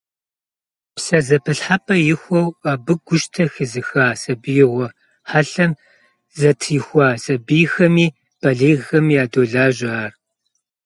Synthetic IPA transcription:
psɐzɐpʰɨɬħapʰʼɐjɪxʷɔwaːbɨɡʷʊʃtʰɐxɨzɨxaːsɐbɨjɪʁʷɔ | ħaɬɐm | zɐtʰjɪxʷɑːsɐbiːxɐmiː | b̥ɐɮeːɣxɐmːjaːdoːɮaːʒɪːr

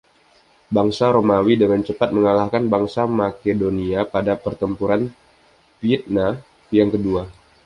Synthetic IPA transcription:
baŋsaɾomawidəŋant͡ʃəpat̪̚məŋalahkanbaŋsamakedoniapadapərt̪əmpuɾan | piɛt̪̚na | jaŋkədua

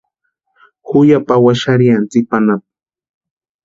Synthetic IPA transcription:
hʊjapawaʃaɾijant͡sɪk̚panap̚

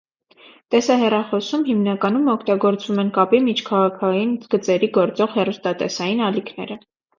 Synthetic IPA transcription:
t̪ɛsɑɦɛrɑχɔsumɦimnɑkɑnumɔkʰt̪ɑɡɔɾt͡svumɛnkɑpimit͡ʃʰkʰɑʁɑkʰɑjinɡ̥ət͡sɛɾiɡɔɾt͡sɔʁhɛrust̪ɑt̪ɛ̰sɑjinɑlikʰnɛ̰ɾə

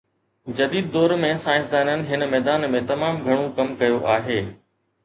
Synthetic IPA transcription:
d͡ʑɐd̪iːd̪ːɔːɾmẽsaːɪ̃ns̬d̪aːnənɪ̆ɦɪnəmɛːd̪aːnmẽt̪ɐmaːmɡʱɐɽ̃ũkɐmkɐjoʔaːɦeː

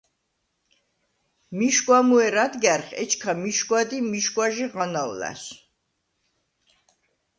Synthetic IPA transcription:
miʃkʼwamuɛɾad̪ɡɛɾχɛ̰t͡ʃʰkʰamiʃkwad̪imiʃkwaʒiʁanawlæ̰s

